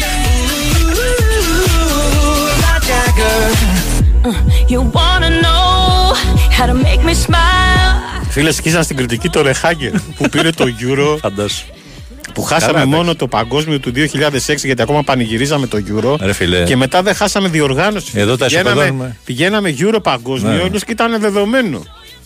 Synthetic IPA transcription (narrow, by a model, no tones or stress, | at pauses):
d͡ʒaɡ | jəwɑnəno | haʊɾəmeɪk̚mismaɪɪlˠfilesçizɐnst̪iɡɾit̪icit̪o̞ɾe̞xɐɟelpupiɾe̞t̪o̞ʝuɾo̞fɐnd̪ɐs | puxɐsɐmemo̞no̞t̪o̞pɐŋɡo̞zmio̞t̪uðio̞çiʎɐðe̞seksiʝɐt̪iɐko̞mɐpɐniʝiɾizɐme̞t̪o̞ʝuɾo̞ɾefilece̞me̞t̪ɐðexɐsɐme̞ðio̞ɾɣɐno̞si̥eðot̪ɐenɐɣmepiʝe̞nɐme̞ʝuɾo̞pɐŋɡo̞znmiioenosit̪ɐne̞ðe̞ðo̞me̞no̞̰